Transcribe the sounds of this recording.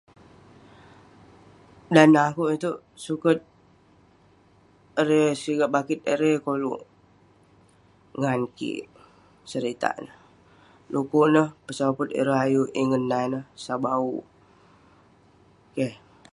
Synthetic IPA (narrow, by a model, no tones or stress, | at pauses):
danakuʔit̪uʔ | sukət̪̚ | əɾesiɡaʔbakit̪̚əɾekolṵʔ | ŋankḭʔ | səɾit̪a̰ʔnəh | lukuʔnəhpəsapət̪̚ə̰ɾoɦajuʔiŋənːajnəhsabau | ke